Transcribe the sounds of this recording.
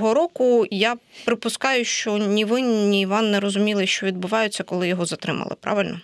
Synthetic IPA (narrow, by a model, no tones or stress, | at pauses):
ɦɔɾɔkʊjapɾɪpʊskɑjʊʃt͡ʃɔnʲiʋɪnʲiːʋɑnːɛɾɔzʊmʲilˠɪʃt͡ʃɔʋʲid̪̚bʊʋɑjʊt͡sʲːɐkɔlˠɪjɔɦɔzɐt̪ɾɪmɐ̰lˠɪ̰pɾʔɑ̰ʋɪlʲnɔ